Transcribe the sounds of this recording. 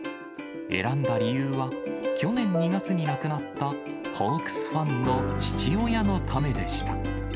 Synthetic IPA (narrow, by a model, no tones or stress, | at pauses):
ḛɾãnd̪aɾʲijɯːβakʲo̞nẽ̞ɲ̟ːiɡat͡sɨɲ̟inakɯ̟nat̪ːa | ɸokɯ̥sɨ̥ɸãnːo̞t͡ɕi̥t͡ɕio̞jano̞t̪ʰame̞d̪e̞ɕi̥t̪a